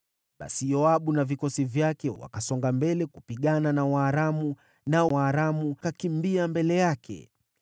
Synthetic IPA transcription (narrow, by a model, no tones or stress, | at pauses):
ɓa̰sijɔaɓunavikɔsivjakɛwa̰kasɔŋɡambɛlɛkupiɠananawaːɾamu | naaːɾamukakimbiambɛlɛjakʰɛ̰